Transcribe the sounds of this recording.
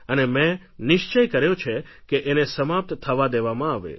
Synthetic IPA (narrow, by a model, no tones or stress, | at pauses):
ənemɛ̃ | nɪʃt͡ʃəjkəɾjot͡ʃʰe | keʔenesəmap̚t̪t̪ʰəʋad̪eʋamãaʋḛ